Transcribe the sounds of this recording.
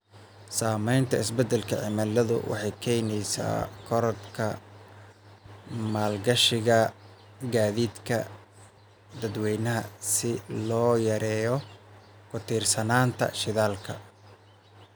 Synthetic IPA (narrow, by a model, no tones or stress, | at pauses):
saːmɛjnt̪ʰɐɪsbɛd̪ɛlkʰɐʕɪmɐlːɐðʊ̰wʔɑ̰ħɑjkʰɛjnɛjsa̰ːkʰɔɾɐt̪kʰɐ | maːlɡɐʃɪɣɐ | ɡaːðiːd̪kʰɐ̰ | d̪ɐd̪wɛjnɐɦɐsɪlɔːjɐɾɛːjɔ | kʰʊt̪ʰiːrsɐnaːnt̪ʰɐ̰ʃɪðaːlkʰɐ̰